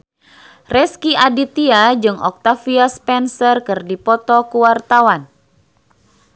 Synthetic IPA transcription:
rɛskiʔadit̪iad͡ʒɨŋɔ̰k̚t̪afiaspɛnsərkɨrdipɔt̪ɔkuwart̪awan

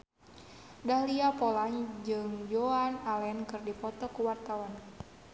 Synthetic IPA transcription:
daliapɔland͡ʒɨŋd͡ʒoanalɛnkɨrdipɔt̪ɔkuwart̪awan

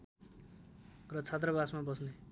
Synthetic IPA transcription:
rʌt͡sʰat̪rʌbasmabʌsne

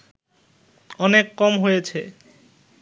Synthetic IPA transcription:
ɔnekːɔmɦojet͡ɕʰe

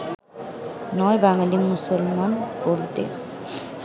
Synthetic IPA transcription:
nɔebaŋalimusolmankolt̪ḛ

